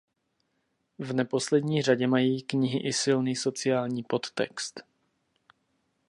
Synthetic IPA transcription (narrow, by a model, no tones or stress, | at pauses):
vnɛpo̞slɛd̪ɲiːraɟɛmajiːkɲɪɦɪʔɪsɪlniːso̞t͡sɪaːlɲiːpo̞t̪ːɛ̰kst̪